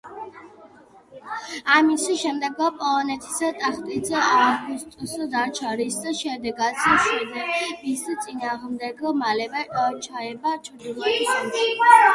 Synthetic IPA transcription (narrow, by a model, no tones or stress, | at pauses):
amisiʃɛmd̪ɛɡɾapʼɔlˠɔnɛt̪ʰi̥sat̪ʼaχt̪ʼid̪zɛaɡust̪ʼusɔd̪at͡ʃʰaɾisd̪aʃɛd̪ɛɡad̪sisɛzɛmisit̪sʼinaːʁmd̪ɛɡɔmalɛbaʔʼɔt͡ʃʰaɛbat͡ʃʰʼɾd̪ilˠɔ